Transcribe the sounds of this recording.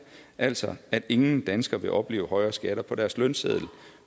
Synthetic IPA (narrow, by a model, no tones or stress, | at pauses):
ʔæl̰sɒæd̥e̝ŋn̩d̥ænsɡ̥ɐʋe̝ʔɒ̽b̥le̝ːʊhɒ̽ɪɐːsɡ̥æɾ̥ɐpʰɒ̽d̥æɐslœnseð̰ˠl̩